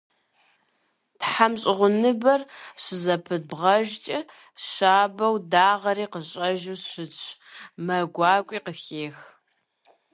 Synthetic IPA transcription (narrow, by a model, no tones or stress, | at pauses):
tħamɕʼɪʁʷʊnɨbɐrɕɪzɐpʰɨd̚bʁɐʒt͡ʃʼɐ | ɕaːbɐwdaːʁɐɾiːqəɕʼɐʒuɕɨt͡ʃʼʰmɐɡʷɑːkʷʼiːqəxeːx